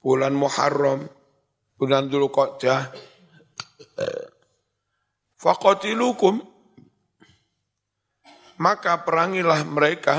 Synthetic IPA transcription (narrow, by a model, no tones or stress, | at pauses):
bulanmuha̰rːɔm | buland̪ulukɔd͡ʒa | faqɔt̪ilukʊm | akapəɾaŋilahməɾeka